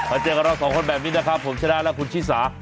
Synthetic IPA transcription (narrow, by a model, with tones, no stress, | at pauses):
maː˧˩t͡ɕɤː˧ka˧nɾɔː˧˩ksɔː˩˦ŋkʰo˧nbɛː˨˩p̚niː˦˥naː˦˥˩kʰa˦˥pʰːo˩˦mt͡ɕʰa˧˥daː˧˩lɛ˦˥kʰu˧nt͡ɕʰiː˦˥˩saː˩˦